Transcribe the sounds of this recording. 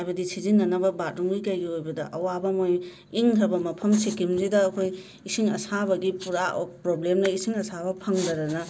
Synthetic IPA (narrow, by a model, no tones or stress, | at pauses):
ajbɐdisizinːɐnɐbɐbat̚ɾuŋɡikɐjɡiojbɐdɐ̰ʔɐwabɐmoj | iŋtʰɐbɐmɐpʰɐmsikimzidɐːkʰoj | isiŋɐsabɐɡipuɾa̰pɾoblemdɐisiŋɐsabɐpʰɐŋdɐɾɐnɐ